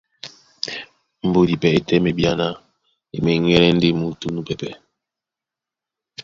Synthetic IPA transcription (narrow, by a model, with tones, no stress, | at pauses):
m̩˨bo˦˨di˨pɛ˨e˨tɛ˦me˨bja˦na˦ | ḛ˨mɛ˨˦ŋɛ˦lɛ˦n̩˦de˦mu˨˦tu˦nu˦pɛ˨pɛ˨